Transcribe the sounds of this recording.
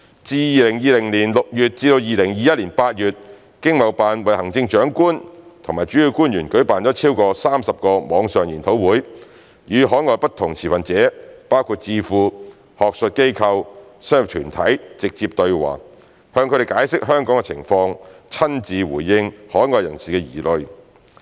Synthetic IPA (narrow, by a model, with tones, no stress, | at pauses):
t͡siː˧jiː˨˧lɪ˨˩ŋjiː˨˧lɪ˨˩ŋliː˨˩nlʊ˨k̚jyː˨t̚t͡siː˧t̪o˧wjiː˨˧lɪ˨˩ŋjiː˨˧jɐ˥t̚liː˨˩npaː˧t̚jyː˨t̚ | kɪ˥ŋmɐ˨˩wpaː˨nwɐ˨jhɐ˨˩ŋt͡sɪ˧ŋt͡ʃœː˨˥ŋkuː˥nt̪ʰʊ˨ŋmaː˨˩jt͡ʃy˨˥ji˧wkuː˥njyː˨˩nkɵ˨˥ɥpaː˨nt͡ɕɔː˨˥t͡sʰiː˥wkɔː˧saː˥msɐ˨p̚kɔː˧mɔː˨˧ŋsœː˨ŋjiː˨˩nt̪ʰo˨˥wwuː˨˥j | jyː˨˧ɦɔː˨˥jŋɔː˨˧jpɐ˥t̪ʰʊ˨˩ŋt͡sʰiː˨˩fɐ˨nt͡sɛː˨˥paː˥wkʰuː˧t̚t͡siː˧fuː˧ | hɔː˨k̚sə˨t̚ke˥jkʰɐ˧wsːjʊ˨p̚t̪ʰyː˨˩nt̪ʰɐ˨˥jt͡sɪ˨k̚t͡siː˧p̚t̪ɵ˧ɥwa̰ː˨˩ | hœː˧ŋkʰɵ˨˧˥ɾe˨˩kaː˨˥jsɪ˥k̚ɦœː˥ŋkɔː˨˥ŋɡɛ˧t͡sʰɪ˨˩ŋfɔː˧ŋ | t͡sʰɐ˥nt͡siː˨˧wṵː˨˩jːɪ˧ŋhɔː˨˥jŋɔː˨jɐ˨˩nsiː˨kɛː˧jḭː˨˩lɵ˨˧ɥ